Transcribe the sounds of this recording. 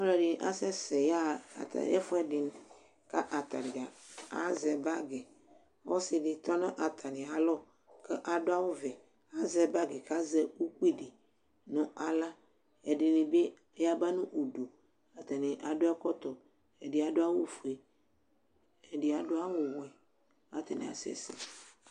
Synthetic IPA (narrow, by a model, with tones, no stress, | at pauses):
ɔ˦lɔ˦˨ɖi˨ʔa˦sɛ˦sɛ˨ja˦˨t̪a̰˨ɛ̰˦fɔ˦ɛ˦di˨n˨ | ka˦ʔa˨t̪a˨ɖi˨a˨a̰˦zɛ˨ba˦ɡɛ˨ | wɔ˦si˨ɖi˨t̪ɔ˦nã˦ʔa˨t̪ʰa˨nĩ˨a˨lɔ˦ | kɛ˦ʔa˨ɖo˦a˦wo˦vɛ˨ | a˦zɛ˨ba˦ɡɛ˨ka˦zɛ˦wu˦ku˦i˦˨ɖi˨ | nũ˦ʔa˨la˦ | e˨ɖɪ˨nĩ˨be˦ | a˦ba˦nũ˦ʔu˨ɖo˨ | a˨t̪a˨nĩ˨ʔa˨do˦ɛ˦kɔ˦t̪ɔ˨ | e˨di˨˦a˨do˦a˦wo˦fu˨e˨ | e˨ɖi˨a˨do˦a˦wo˦wo˨ɛ˨ | a˦t̪e˨nḭ̃˨a̰˨sɛ̰˨sḭ˨